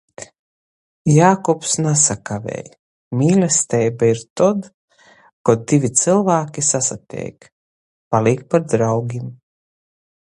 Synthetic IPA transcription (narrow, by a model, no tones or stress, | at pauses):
jaːkɔpsnasakavʲɛ̰ːj | mʲiːlʲɛst̪ɛjbaiɾt̪ɔd̪ | kɔd̪ivʲit̪sɨlˠvaːkʲisasat̪ʲɛ̰ːk | palik̚paɾd̪ɾawɡʲim